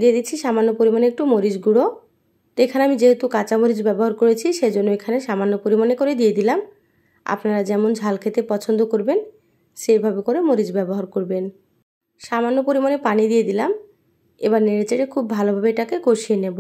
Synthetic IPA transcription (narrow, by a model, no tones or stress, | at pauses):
d̪ied̪it͡ɕʰiʃamanːopoɾimaneek̚ʈumoɾiʃɡuɽo | ekʰaneamid͡ʑeɦet̪ukat͡ɕamoɾid͡ʑbɛboɦaɾkoɾet͡ɕʰiʃed͡ʑonːoekʰaneʃamanːopoɾimanekoɾed̪ijed̪ilam | a̰pnaɾad͡ʑɛmond͡ʑʱalkʰet̪epɔt͡ɕʰond̪okoɾben | ʃeɾbʱabekoɾemoɾid͡ʑbɛboɦaɾkoɾben | ʃamanːopoɾimanepanid̪ijed̪ilam | ḛbaɾneɾet͡ɕeʈekʰubːʱalobʱabeʈakeɡoʃienebo